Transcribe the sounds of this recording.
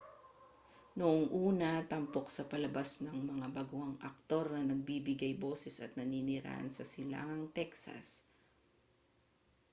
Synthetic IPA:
nʊʔoŋʔuːnɐt̪ɐmpo̞k̚sɐpɐlɐbasnɐŋmɐŋabɐɡuhɐŋʔɐk̚t̪o̞ɾnɐnɐɡ̚biːbɪɡajbo̞ːsɛsɐt̪̚nɐniːnɪɾa̰ʔɐ̰nsɐsɪla̰ːŋɐŋt̪ɛksɐ̰s

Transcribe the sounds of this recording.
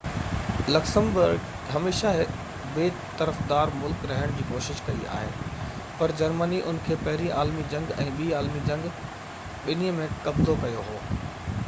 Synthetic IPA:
lɐksə̃mbʊɾɡ | ɦɐmeːʃaɦɪk | beː | t̪ɐɾəfd̪aːɾmʊlkɾɐɦɪɽ̃d͡ʑiːkoːʃɪʃkɐia̰ːɦḛː | pɐɾd͡ʑɐɾməniʔʊnkʰeːpɐɦɪɾiʔaːlmid͡ʑɐ̃ŋɡɛ̰̃ːɓiːaːlmid͡ʑɐ̃ŋɡ | ɓɪniəmẽkɐbzokɐjoɦoː

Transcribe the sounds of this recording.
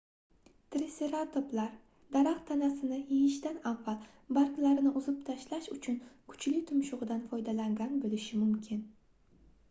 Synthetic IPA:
t̪ʰɾɪseɾat̪ʰoplaɾ | d̪̥aɾaqt̪ʰanasɪnɪjejɪʃt̪anavːalˠ | baɾklaɾnɪʔʊzʊpt̪ʰaʃlaʃʊt͡ʃʰʊnkʰʊ̥t͡ʃlɪt̪ʰʊmʃʊʁɨd̪anfɒjd̪alaŋɡʲanbolɪʃɪmʊmkʲʰɪn

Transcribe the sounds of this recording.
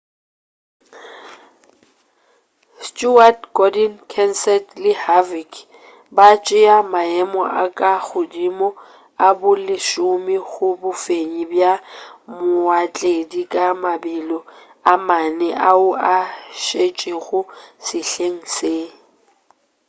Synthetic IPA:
stʼuatɡɔdɛnkʰɛnsɛtlɪhavik | bat͡ʃʼɪamaɛmɔʔakʼaɣʊdimɔ | abʊlɪʃʊmɪɣʊbʊfeɲibjamʊat͡ɬʼedikʼamabilɔ | amanɛʔaʊaʃet͡ʃʼiɣʊsɪɬeŋ̩se

